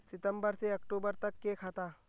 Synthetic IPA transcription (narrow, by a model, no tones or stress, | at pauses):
sɪt̪ə̃mbəɾseɐkʈuːbəɾt̪ɐkːekʰaːt̪aː